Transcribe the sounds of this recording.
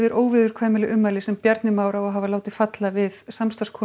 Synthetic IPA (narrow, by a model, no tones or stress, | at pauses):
vɪɾʔoːwvɪðʏɾ̥kʰvaːjmɪlɪʔʏmːalɪsɛmpjɛɾt̪nɪmaːwɾaɔɦavalaːwt̪ɪ̥fat̪lavɪðsamst̪askʰɔː